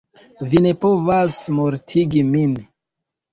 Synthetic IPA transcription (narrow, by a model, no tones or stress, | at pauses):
vine̞po̞vasmoɾtʰiɡimin